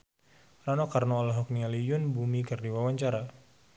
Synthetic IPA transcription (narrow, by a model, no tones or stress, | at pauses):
ranɔkarnɔːlaɦɔk̚nialijʊnbumikɨrdiwawaɲt͡ʃaɾa